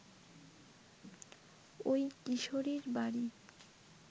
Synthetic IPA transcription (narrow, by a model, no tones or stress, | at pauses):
ojtiʃoɾiɾbaɾi